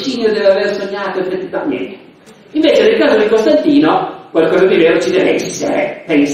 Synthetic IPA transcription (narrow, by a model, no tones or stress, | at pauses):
t͡ʃinjod̪ɛːveaversoɲːaːt̪oefet̪ːivamḛnt̪e̥ | iɱveːt͡ʃenelkaːzod̪ikost̪ant̪iːnokwalkɔːzakeveɾot͡ʃid̪ɛveɛsːḛɾḛpens